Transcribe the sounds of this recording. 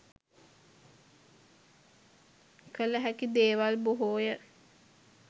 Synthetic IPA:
kələɦækid̪eːʋalboɦoːjə

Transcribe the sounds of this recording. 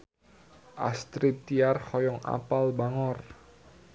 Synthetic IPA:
ʔa̰st̪ɾip̚t̪ːiarhɔjɔŋa̰palbaŋɔr

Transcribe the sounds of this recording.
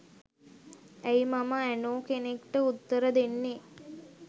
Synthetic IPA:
æjmaməænoːkenekʈəut̪ːəɾəd̪enːe

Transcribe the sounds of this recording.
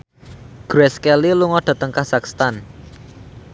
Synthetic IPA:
ɡ̥ɾɛskɛliluŋɔɖ̥ä̤t̪əŋkasakst̪an

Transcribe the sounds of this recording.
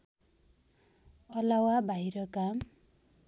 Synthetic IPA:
ʌlawabʱaiɾʌkam

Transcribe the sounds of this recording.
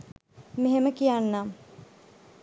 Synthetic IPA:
meɦeməkijanːa

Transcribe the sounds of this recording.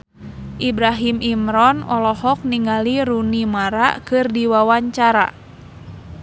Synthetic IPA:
ʔibɾaɦimimɾɔnɔlɔɦɔk̚niŋaliɾunimaɾa̰ʔkɨrdiwawaɲt͡ʃaɾa̰

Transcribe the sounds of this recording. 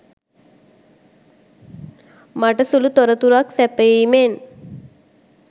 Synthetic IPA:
maʈəsulut̪oɾət̪uɾaksæpəjeimen

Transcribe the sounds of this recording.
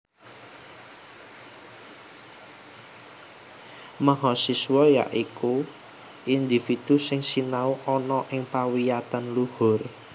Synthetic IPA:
maɦɔsisuwɔja̰ʔiku | ʔind̪ifid̪̥usɪŋsinauʔɔnɔʔɪŋpawijat̪anluhʊr

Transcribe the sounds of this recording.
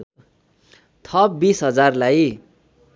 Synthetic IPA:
t̪ʰʌpbisɦʌd͡zarlaj

